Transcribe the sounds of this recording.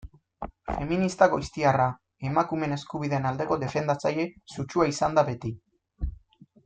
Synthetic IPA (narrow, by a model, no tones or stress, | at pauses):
fe̞minist̪aɣojst̪iara | e̞makume̞ne̞skuβiðe̞ːnald̪e̞ko̞ðe̞fe̞nd̪at͡saje̞sut͡ʃuaisand̪aβe̞t̪i